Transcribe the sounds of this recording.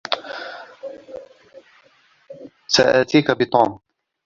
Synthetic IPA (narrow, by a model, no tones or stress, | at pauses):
sa̰ʔaːt̪iːkabɪt̪uːm